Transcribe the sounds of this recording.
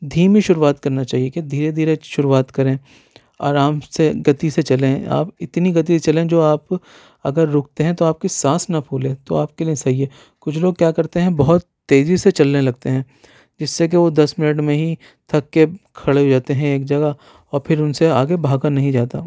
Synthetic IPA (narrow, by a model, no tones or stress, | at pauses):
d̪ʱiːmiʃʊɾuʋaːt̪kɐɾnat͡ʃaːɦieked̪ʱiːɾed̪ʱiːɾeʃʊɾuaːt̪kɐɾẽː | a̰ːɾaːmseɡɐt̪iset͡ʃɐlẽa̰ːpɪt̪niɡɐt̪̬iset͡ʃɐlẽd͡ʒoːaːp | ɐ̰ɡəɾːʊːk̚ʰt̪eɦɛ̃t̪oaːp̚kisãːsnɐpʰuːlẽt̪o̰aːp̚keliẽsɐɦieː | kʊt͡ʃʰloːɡ̚kjaːkɐɾt̪eɦɛ̃bɐɦʊt̪ːeːziset͡ʃɐlːẽlɐɡ̚t̪eɦɛ̃ː | d͡ʒɪsːek̬eʋod̪ɐsmɪnəʈmẽɦi | t̪ʰɐkːekʰɐɽeɦoːd͡ʒaːt̪eɦɛ̃eːk̚d͡ʒɐɡa | ɔːɾpʰɪɾʊnseaːɡebʱaːɡanɐɦĩd͡ʒaːt̪a̰ː